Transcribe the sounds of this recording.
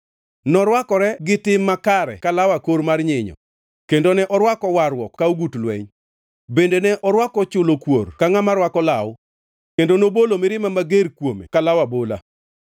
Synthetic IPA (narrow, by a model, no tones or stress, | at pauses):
nɔɾwakɔɾɛɡɪtɪmːakaɾɛ̰kalawakoɾmarɲɪɲɔ̰ | kendonɛʔɔɾwakɔwaɾwɔkːauɡutlwɛ̰ɲ | bendenɛʔɔɾwakɔt͡ʃʊlokworkaŋamaɾwakɔlaw | kendonobolomɪɾɪmamaɡerkwomḛkalawabola̰